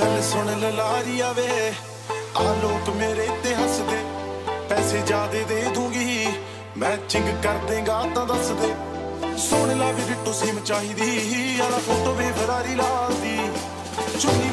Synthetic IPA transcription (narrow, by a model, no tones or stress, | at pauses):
əlsʊɳllaːɾiːaːʋeː | aːloːkmeːɾeːɪt̪ːeːɦəsd̪eːpɛːseːd͡ʒaːd̪eːd̪eːd̪ʱũːɡiːiː | mɛ̃ːt͡ʃɪ̃ŋɡkəɾd̪ẽːɡãːt̪ãːd̪əsd̪eː | sʊɳlaːbiːɾɪʈːõːsiːmt͡ʃaːɦiːd̪iːɦaːlaːkot̪oʋeːbəɾaːɾiːlaːld̪iː | t͡ʃʊiː